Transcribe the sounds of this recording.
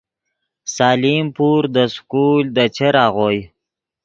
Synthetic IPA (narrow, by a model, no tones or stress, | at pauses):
sɑːlimpuɾd̪əskuld̪ət͡ʃeɾɑɣoj